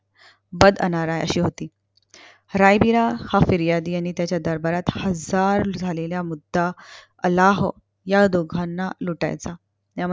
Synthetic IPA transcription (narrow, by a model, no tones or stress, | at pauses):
bəd̪ə̰naɾajə̰ɕiːɦot̪iː | ɾajbiɾahafiɾjad̪iːañit̪jat͡ɕjad̪əɾbaɾat̪həd͡zaɾd͡zʱaleljamud̪ʱːa | əlaɦ | jad̪oɡʱanːaluʈa̰jt͡sa | t̪jamə